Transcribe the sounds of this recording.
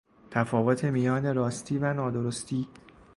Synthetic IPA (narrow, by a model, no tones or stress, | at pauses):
t̪ʰæfɒːvot̪ʰe̞mijɒːne̞ɾɒːst̪ʰiːvænɒːd̪oɾost̪ʰiː